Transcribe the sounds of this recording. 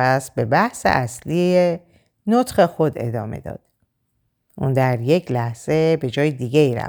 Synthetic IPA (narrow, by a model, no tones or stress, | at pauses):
æs̚be̞bæhsḛʔæslie | not̪χe̞xo̞d̪e̞̰d̪ɒːme̞̰d̪ɒ̰ːd̪̥ | ʔund̪æɾje̞cʰlæhz̥e̞be̞d͡ʒɒːjed̪iːɡeiːɾæ̰